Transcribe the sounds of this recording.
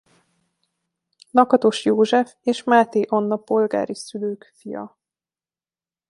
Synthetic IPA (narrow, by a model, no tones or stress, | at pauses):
nɒkɒt̪o̞ʃjoːʒɛfeːʃmaːt̪eːʔonːɒpo̞lɡa̰ːɾisyløːkfijɒ̰